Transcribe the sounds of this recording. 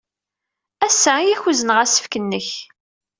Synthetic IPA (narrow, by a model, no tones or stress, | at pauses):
æsːæjæçuzənʁæsə̥fkənːəç